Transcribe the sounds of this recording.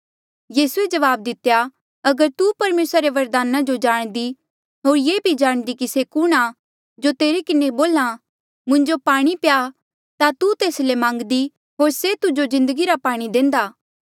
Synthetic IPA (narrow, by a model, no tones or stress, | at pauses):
jiːsued͡ʒɐʋaːb̚d̪ɪt̪eja | ɐɡəɾt̪upɐɾmeːsɾaɾeʋɐɾd̪aːnãd͡ʒod͡ʒaːɽ̃d̪i | ɦoːɾjeːbʱid͡ʒaːɽ̃d̪ikisekʊɽ̃a | d͡ʒot̪eːɾekɪneboːlã | mʊ̃ɲd͡ʒopaːɽ̃ipja | t̪at̪ut̪eːslemãːŋɡd̪i | ɦoːɾset̪ʊd͡ʒozɪ̃nd̪əɡiɾapaːɽ̃id̪ẽːnd̪aː